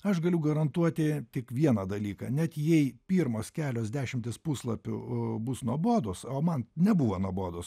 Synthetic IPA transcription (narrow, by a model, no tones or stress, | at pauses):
ɐʃɡɐlʲʊɡɐɾɐnt̪uɔt̪ʲɪt̪ʲɪkʋʲiɛnɐd̪ɐlʲiːkɐ̰ːnʲɛt̪jɛɪpʲiːɾmoːskʲæːlʲoːsd̪ʲæːʃʲɪmʲt̪ʲɪspuːslˠɐpʲʊ̰bʊsnuɔboːd̪ʊsoːmɐnnʲɛbuːʋɐnuɔboːd̪ʊs